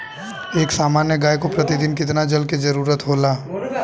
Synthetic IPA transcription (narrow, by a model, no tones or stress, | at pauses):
eːksaːmaːnjəɡaːjkopɾɐt̪id̪ɪnkɪt̪nad͡ʒɐlkid͡ʒɐɾuːɾət̪ɦoːlaː